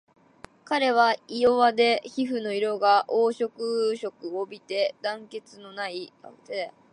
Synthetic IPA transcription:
kaɾe̞β̞aijoβad̪e̞çiɸɯ̟no̞iɾo̞ɡaʔoːɕo̞kɯ̟ɕo̞kɯ̟obʲit̪e̞d̪ãŋke̞t͡sɨno̞nait̪e

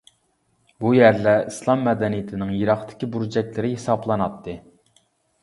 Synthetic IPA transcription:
bujæɾlɛislˠɑmːɛd̪ɛnijɪt̪ʰɪnɪŋjiɾɑχt̪ʰɪ̥kʲibuɾud͡ʒɛk̚ʲlɪɾɪɦesɑblˠɑnɑt̪ʰːɨ

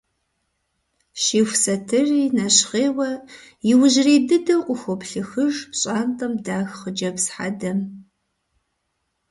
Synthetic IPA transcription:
ʃiːxʷsɐtʰɨriːnɐɕχeːwɐ | jɪwʊʒriːdɨdɐqʷʼʊxʷɔpɬɨxɨʒpɕʼaːntʼɐmdaːxχəd͡ʒɐpsħa̰dɐm

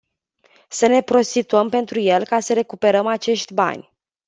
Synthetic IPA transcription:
səne̞pɾo̞st̪it̪uəmpe̞nt̪ɾuje̞lkasəɾe̞kupe̞ɾəmat͡ʃe̞ʃt̪ʲba̰nʲ

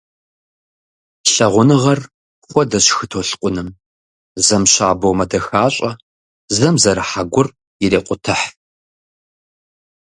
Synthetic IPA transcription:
ɬɐʁʷʊnɨʁɐr | χʷɔdɐɕxɨtʰoɬqʷʼʊnɨm | zɐmɕaːbɐwmɐdɐxaːɕʼɐ | zɐmzɐɾɨħaɡʷʊr | jɪɾeːqʷʼʊtʰɨħ

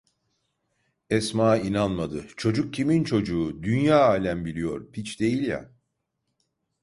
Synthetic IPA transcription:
ɛsmaːinanmad̪ɯt͡ʃʰo̞d͡ʒuk̚cʰimint͡ʃʰo̞d͡ʒuːd̪ynjaːaːlʲæmbilʲijo̞̰ɾpʰit͡ʃd̪e̞jilʲja̰

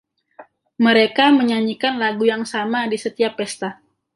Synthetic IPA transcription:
məɾekaməɲaɲikanlaɡujaŋsamadisət̪iapːɛst̪a

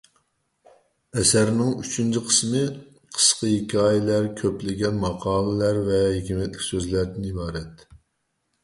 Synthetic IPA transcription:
ɛsæɾnɪŋyt͡ʃʰynt͡ʃʰiqʰə̥smɨ | qʰə̥sqɑjikʲɑːjilæɾkʲʰøplɪɡʲɛnmɑqʰɑːlˠɨlæɾvɛhekʲimɛt̪lɪkʲsøzlæɾd̪ɪnibɑːɾɛt̪

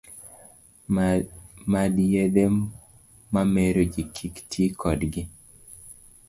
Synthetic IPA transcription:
madjede | mameɾod͡ʒikʰiktʰikʰɔdɡɪ

